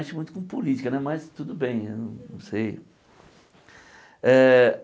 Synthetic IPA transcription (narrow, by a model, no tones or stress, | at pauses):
t͡ʃɪmũj̃t̪ʊ̥kõpolit͡ʃikɐnɛmɐst̪ud̪ʊbẽj̃ewnɐ̃nɐ̃w̃sej | ɛ